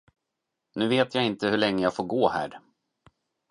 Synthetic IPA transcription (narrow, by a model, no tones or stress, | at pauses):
nʉ̟ːveːt̪ʰjaːɪnt̪əhɵɭɛŋːəjaːɡfoːɾɡoːhæ̰ːɾ